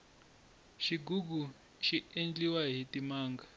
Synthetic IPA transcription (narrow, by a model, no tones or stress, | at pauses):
ʃiɡuɡ̬u | ʃiend͡ɮʼiwaɦitʼimaːŋɡa